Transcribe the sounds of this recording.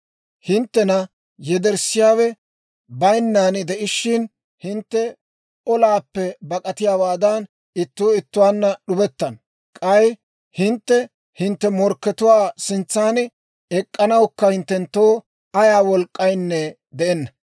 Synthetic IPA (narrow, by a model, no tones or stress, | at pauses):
hɪnt̪ːɛnɐ | jɛd̪ɛɾsɪjaːwɛ | bɐjnːand̪ɛʔɪʃːɪn | hɪnt̪ːɛ | ɔlaːpːɛbɐkʼɐt̪ɪjaːwaːd̪ɐn | ɪt̪ːoːɪt̪ːʊwaːnːɐɗʊbɛt̪ːɐn | kʼɐj | hɪnt̪ːɛ | hɪnt̪ːɛmɔɾkːɛt̪ʊwaːsɪnt͡sːaːnɪ | ɛkʼːɐnɐwkːɐhɪnt̪ːɛnt̪ːoː | ɐjaːwɔlkʼːɐjnːɛ | d̪ɛʔɛnːɐ